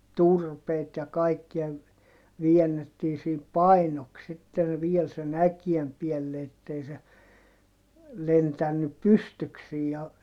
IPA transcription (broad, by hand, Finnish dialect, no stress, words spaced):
turpeit jɑ kɑikːiɑ ʋiɛnːetːiː siːp pɑinoks sitːen ʋiel sen ækiem piɛlːe etːei se lentænːyp pystyksiːj jɑ